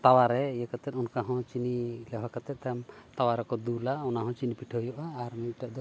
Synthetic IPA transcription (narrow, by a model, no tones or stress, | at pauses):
t̪awaɾɛjɛkat̪ɛt̪̚ɔnkaɦɔ̃t͡ʃinilɛɦakat̪ɛt̪̚ˀt̪amt̪awaɾɛkɔd̪ulaɔnaɦɔ̃t͡ʃinipiʈʰɔjɔʔaːɾmic̚ʈɛd̪ɔ